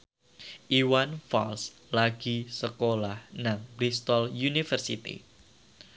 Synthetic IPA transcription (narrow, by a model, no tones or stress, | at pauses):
ʔiwanfa̰ls | laɡ̥isəkolahnaŋbɾist̪ɔljunifərsḭt̪ḭ